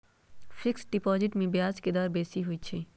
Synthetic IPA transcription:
fɪksɖɪpɔːzɪʈmẽbjaːd͡ʒked̪ɔːɾbeːsiɦʊit͡ʃʰeː

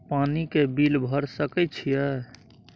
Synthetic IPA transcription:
panikebilbʱəɾsəkɛt͡ʃʰijɛ

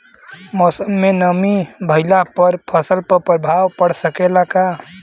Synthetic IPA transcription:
mosəmːenəmibʱəɪlapəɾpʰəsəlpəpɾəbʱawpəɽsəkelaka

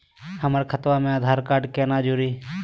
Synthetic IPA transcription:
həməɾkʰət̪ʋamẽaːd̪ʱaːɾkaːɾɖkeːnad͡ʒuɾiː

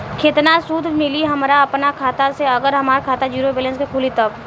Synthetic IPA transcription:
kʰeːt̪nasuːd̪ʱmɪliɦɐmɾaɐpnakʰaːt̪aseɐɡəɾɦɐmaːɾkʰaːt̪ad͡ʒuːɾobeːlə̃nskekʰuːlit̪əb

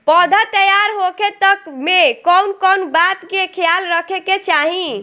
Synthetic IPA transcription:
pəd̪ʱət̪əjaɾɦokʰet̪əkmekɔwnkɔnbat̪kekʰjalɾəkʰeket͡ʃaɦĩ

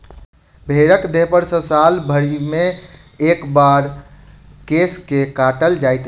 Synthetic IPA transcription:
bʱeɾəkd̪eɦpəɾsə̃salbʱəɽime | ekbaɾ | keskekaʈəld͡ʒajt̪

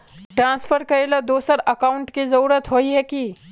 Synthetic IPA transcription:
ʈɾãːnsfʰəɾkɐɾeləd̪oːsəɾɐkauɳʈkizɐɾuːɾət̪ɦoiɦɛki

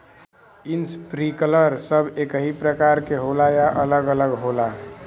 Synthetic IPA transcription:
inspɾikələɾsəbʱekəɦipɾəkaɾkeɦolajaʔələɡələɡɦola

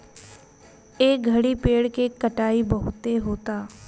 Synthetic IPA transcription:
eːk̚ɡʱɐɽipeːɽkekɐʈaːibɐɦʊt̪eɦoːt̪aː

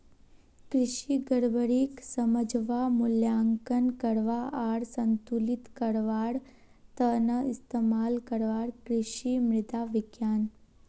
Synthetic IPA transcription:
kɾɪʃiɡəɾbəɾiksɐməd͡ʒʱʋamʊljaːŋkənkəɾʋaaːɽsɐ̃nt̪ulɪt̪kəɾʋaːɽ | t̪ənəɪst̪eːmaːlkɐɾʋaːɽkɾɪʃimɾɪt̪aʋɪɡjaːn

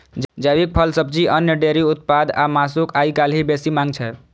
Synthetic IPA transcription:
d͡ʒəbik̚pʰəlsəb̚t͡ʃiʔənjəɖeɾiut̪̚pad̪a̰masukaikalɦibesimãŋɡt͡ʃʰɛ

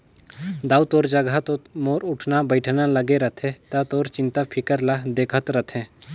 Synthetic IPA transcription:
d̪aːut̪oːɾd͡ʒəɡʱat̪omoːɾʊʈʰnabəɪʈʰnaləɡeɾət̪ʰẽt̪at̪oːɾt͡ʃɪ̃nt̪apʰɪkəɾlad̪eːkʰət̪ɾət̪ʰẽ

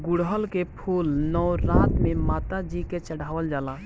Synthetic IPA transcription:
ɡuɽɦəlkepʰulnɔɾãt̪memat̪ad͡ʒiket͡ʃəɽ̤aːʋəld͡ʒaːla

